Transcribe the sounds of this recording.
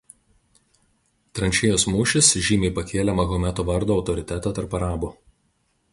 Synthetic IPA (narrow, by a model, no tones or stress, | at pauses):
t̪ɾɐnʲt͡ʃʲeːjoːsmuːʃʲɪsʒʲiːmʲɛɪpɐkʲeːlʲɛmɐɣɔmʲæt̪oːʋɐɾd̪oːɒʊt̪ɔɾʲɪt̪ʲæt̪ɑˑt̪ɐɾpɐɾɑːbu